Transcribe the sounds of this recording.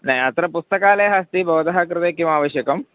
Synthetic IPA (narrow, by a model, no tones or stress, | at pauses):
nɐɦiɐt̪ɾɐpust̪ɐkaːleɦast̪ibʱɐʋt̪ɐɦɐkɾɨt̪ekimaːʋɐʃjɐkɐm